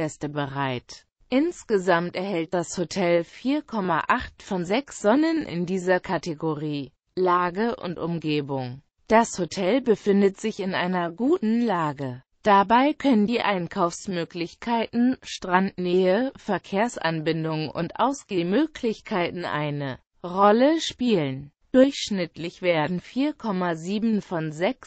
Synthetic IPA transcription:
ɛstəbəʁaɪt | ʔɪnsɡ̥əzamtɛɐhɛlt̚d̥ashotʰɛlfiːɐkʰɔma̰ʔaχtfɔnzɛksz̥ɔnənʔɪ̰ndiːzɐkʰateɡoʁiː | laːɡəʔʊ̰ntʔʊmɡeːbʊŋ | d̥ashotʰɛlbəfɪndətz̥ɪçɪnʔa̰ɪnɐɡuːtn̩laːɡə | d̥abaɪkʰœnəndiːʔaɪnkʰaʊfsmøːklɪçkʰaɪtn̩ʃtʁ̥antneːəfɛɐkʰeːɐsʔa̰nbɪndʊŋʊ̰ntʔa̰ʊsɡ̥eːmøːkʰlɪçkʰaɪtn̩ʔa̰ɪnə | ʁɔləʃpiːlən | d̥ʊɐçʃnɪtlɪçv̥eːɐdn̩fiːɐkʰɔmaziːbmn̩fɔnzɛks

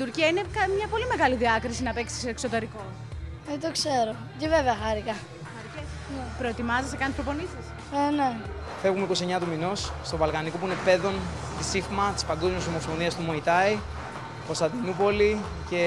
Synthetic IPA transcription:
tit̪uɾciɐinekɐmɲɐpo̞lime̞ɣɐliðiɐkɾisinɐpe̞ksi̥seːkso̞t̪e̞ɾiko̞ | et̪okseɾo | ceveveɐxɐɾikɐ | xɐɾices | pɾo̞et̪imɐzesekɐnspɾopo̞nisis | ene | fevɣumeiko̞sieɲɐt̪umino̞sst̪ovɐlkɐnikop̬uine̞pe̞ðo̞n | t̪isifmɐt̪i̥spɐŋɡo̞zmios̬omoffonðiɐst̪umo̞it̪ɐi | ko̞st̪ɐnd̪inupo̞li | ce̞

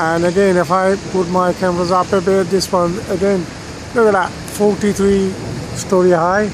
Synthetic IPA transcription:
ə̃nəɡɛ̃nɪfaɪpʊt̚maɪkʰæ̃məɹəzʌpəbɪðɪswʌ̃nəɡɛ̃n | wɛɡəət | fɔɹtiθɹistɔɹiɦaɪ

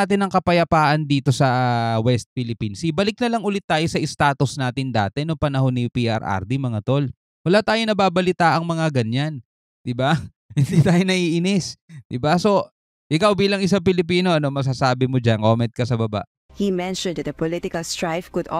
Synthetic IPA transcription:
aːt̪ɪnɐŋkɐpɐjɐpaːʔɐnd̪iːt̪o̞sɐwɛst̪̚fɪlɪpinsibɐlɪk̚nɐlɐŋʔʊlɪt̪̚ːaːjo̞sɐʔɪst̪aːt̪osnaːt̪ɪnd̪a̰ːt̪ɛnopɐnɐɦo̞nːɪpiʔɐ̰ɾʔa̰ɾd̪imɐŋat̪o̞l | wɐlaːt̪aːjo̞nɐbaːbɐlɪt̪aʔɐŋmɐŋaɡɐɲan | d̪̥ɪba | hɪnd̪iːt̪aːjonɐʔiʔɪnɛsd̪̥ɪbaso̞ | ʔɪkawbiːlɐŋʔɪs̬aŋpɪlɪp̬iːno̞ʔɐno̞mɐs̬aːsaːbɪmod͡ʒanko̞ːmɛnt̪̚kɐsɐbɐba̰ʔ | himɛ̃nʃɔ̃nd̪ɐt̪ɐpɔlɪt̪ɪkɐlst̪ɹajfkʊd̪

